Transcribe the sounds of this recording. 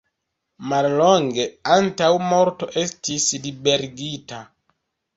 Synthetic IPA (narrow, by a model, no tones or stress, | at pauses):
malloŋɡe̞antawmo̞ɾto̞ʔestislibe̞ɾɡita